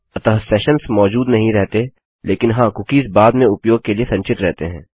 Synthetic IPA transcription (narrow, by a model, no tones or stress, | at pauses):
ɐt̪əɦsɛːʃənsmɔːd͡ʒuːd̪nɐɦĩɾɛɦt̪e | leːkɪnɦãːkʊkiːzbaːd̪mẽʊpjoːɡ̚keliesɐ̃ɲt͡ʃɪʈɾɛɦt̪eɦɛ̃ː